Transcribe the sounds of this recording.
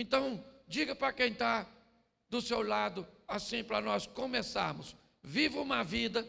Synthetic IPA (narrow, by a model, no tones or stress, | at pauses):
ẽt̪ɐ̃w̃d͡ʒiɡɐpɾɐkẽj̃t̪a | d̪ʊsewlad̪ʊasĩpɾɐnɔskõmesa̰ɾmʊs | vivɪũmɐvid̪ɐ